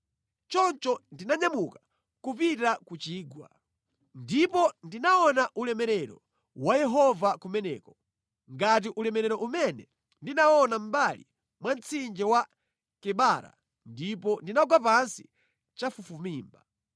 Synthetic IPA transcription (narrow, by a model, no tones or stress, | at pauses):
t͡ʃɔnt͡ʃɔndinaɲamuka | kupitakut͡ʃiːɡwa̰ | ndipɔndinaɔnaʔulɛmɛɾɛɾɔ̰ | wajɛɦɔvakumɛnɛ̰ːkɔ | ŋɡat̬iʔulɛmɛɾɛɾɔʔumɛnɛ | ndinaɔnam̩balḭ | mwant͡sʰind͡ʒɛwa | kɛɓaɾa̰ | ndipɔndinaɡwapansi | t͡ʃafufumiːmba